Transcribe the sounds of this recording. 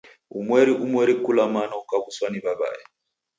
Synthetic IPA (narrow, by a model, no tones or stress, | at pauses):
ṵmwɛɾiʔumwɛɾikulamanaukabuswanibaba̰ɛ